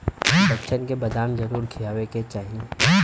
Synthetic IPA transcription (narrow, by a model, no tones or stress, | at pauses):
bɐt͡ʃʰənkebɐd̪aːmzɐɾuːɾkʰijaːʋeket͡ʃaːɦie